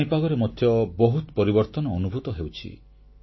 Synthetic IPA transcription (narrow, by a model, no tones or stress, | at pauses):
ipaɡɔɾemɔd̪ʱjɔbɔɦut̪pɔɾibɔɾt̪ɔnɔːnubʱut̪ɔɦewt͡ʃʰḭ